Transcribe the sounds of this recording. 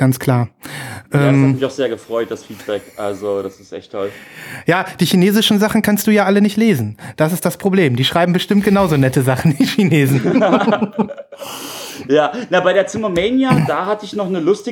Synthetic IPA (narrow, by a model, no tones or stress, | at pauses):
ɡ̥ant͡skʰl̥aːɐʔɛːmsamɪçaʊxz̥eːɐɡəfʁ̥ɔʏt̚d̥asfiːt̚b̥ɛkʔalzod̥asɪstʔɛ̰çtʰːɔljaːd̥iːçineːzɪʃn̩zaχn̩kʰanstd̥uːjaːʔalənɪçtleːzn̩d̥asɪst̚d̥aspʁ̥obleːmdiːʃʁ̥aɪbm̩bəʃtɪmt̚ɡ̥ənaʊzoːnɛtəzaχn̩viːçineːzn̩ | jaːnabaɪɾeːɐt͡sɪməmeːnjadaːɦatəɪçnɔχnəlʊstɪ